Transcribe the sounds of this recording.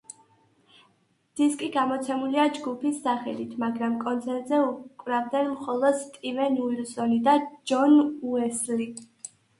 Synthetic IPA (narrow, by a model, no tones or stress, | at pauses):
d̪̥iskʼiɡamɔt̪sʰɛmuliad͡ʒɡupʰisːaχɛlit̪ʰmaɡɾamkʼɔnt̪sʰɛɾt̪ʼzɛukʼvɾavd̪ɛnmχɔlˠɔd̪t̪ʼivɛnuiɾsɔnid̪ad͡ʒɔnuɛsli